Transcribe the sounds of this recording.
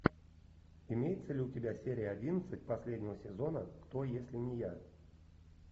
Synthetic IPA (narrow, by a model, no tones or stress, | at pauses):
ɪmʲejɪt̪səlʲutʲɪbʲasʲeɾʲɪjəadʲinət̪sɨt̚ʲpɐsʲlʲedʲnʲɪvəsʲɪzo̞nəkt̪ojesʲlʲɪnʲɪja